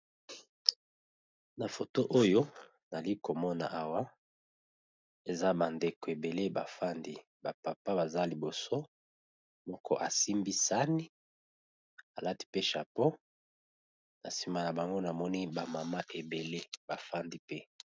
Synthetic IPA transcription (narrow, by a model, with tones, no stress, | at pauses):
na˨fo˨to˦ʔo˦jo˦ | na˨li˦ko˨mɔ˦na̰˨ʔa˨wa˦ | e˨za˦ba˨nde˨ko˨e˨be˨le˦ba˨fa˦ndi˦ | ba˨pa˨pa˦ba˨za˦li˨bo˨so˦ | mɔ˦kʰɔ˦ʔa˨si˦mbi˦sa˦ni˦ | a˨la˦ti̥˦pe˦ʃa˨po˦ | na˨si˨ma˨na˨ba˨ŋɡo˦na˨mɔ˦ni˦ba˨ma˨ma˦ʔe˨be˨le˦ba˨fa˦ndi˦pe˦